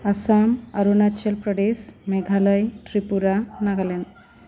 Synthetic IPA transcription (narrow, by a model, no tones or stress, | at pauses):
asamaɾunat͡ʃelpɾɔɖesmeɡʱaləjʈɾipuɾanaɡalɛn